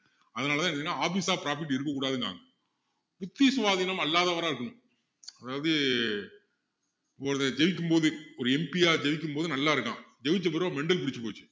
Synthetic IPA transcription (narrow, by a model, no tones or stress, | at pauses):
ɐðɐnaːlɐt̪ãɛnɐnːaːaːfiːsaːpɪɾaːf̬ɪʈ̬ːɪɾɯkːɐkːuːɽaːðɯŋɡa̰ːŋɡɐ | pʊt̪ːisʋaːðɪnɐmɐlːaːðɐʋɐɾaːɪɾɯkːɐɳʊ̃m | ɐðaːʋɐðɯ | pːoːɾɐðɛd͡ʒɛʋɪk̬ʲːɯmpoːðɯɔɾɯɛmpiaːd͡ʒɛʋɪk̬ʲːɯmpoːðɯnɐlːaːɪɾɯkːã̰ːd͡ʒɛʋɪt͡ʃːɐpːɐɾʋãmɛɳɖɐlpɪɽɪt͡ʃːɯpoːt͡ʃːɯ̥